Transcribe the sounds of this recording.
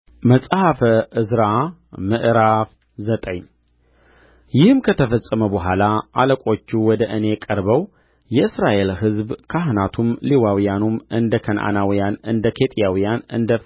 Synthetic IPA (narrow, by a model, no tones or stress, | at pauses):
məsʼhafəɨzɾamɨʔɾaf | zət̪ʼəɲ | jɪhɨmkʰət̪ʰəfəsʼəməbəɦʷalaʔaləkʷʼo̞t͡ʃːuwɔd̪əʔɨne̞kʼəɾbəw | jɛɨsɾaʔe̞lɦɨzbkʰaɦnat̪ʰumliwawijanumʔɨnd̪əkʰənʔa̰nawijanɨnd̪əkʰe̞t̪ʼjawijanɨ̰nd̪ə